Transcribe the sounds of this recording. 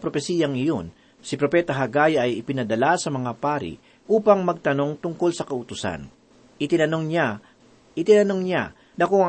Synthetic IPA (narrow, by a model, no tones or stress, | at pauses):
pɾopɛsiːjɐŋɪjo̞n | sɪpɾo̞pɛːt̪ɐɦɐɡaːjɐɐjɪpɪnɐd̪ɐlasɐmɐŋapaːɾḭ | ʔuːpɐŋmɐɡ̚t̪ɐno̞ŋt̪ʊŋko̞lsɐkɐʊt̪ʊsa̰n | ʔɪt̪ɪnɐnoŋɲa | ʔɪt̪ɪnɐno̞ŋɲa | nɐkoɐ